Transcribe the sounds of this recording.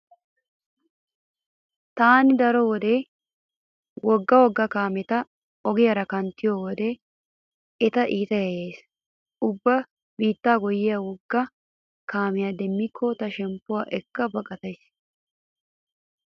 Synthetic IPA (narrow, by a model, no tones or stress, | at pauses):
t̪aːnɪd̪ɐɾɔwɔd̪e | wɔɡːɐwɔɡːɐkaːmɛt̪ɐ | ɔɡɪjɐɾɐkɐnt̪ɪjɔwɔd̪e | ɛt̪ɐʔiːt̪ɐjɐjeːs | ʊbːɐ | biːt̪ːaːɡɔjɪjawɔɡːɐ | kaːmɪjɐd̪ɛmːɪkʰːɔt̪ɐʃɛmpːʊwaːʔɛkːɐbɐkʼɐt̪ɐjs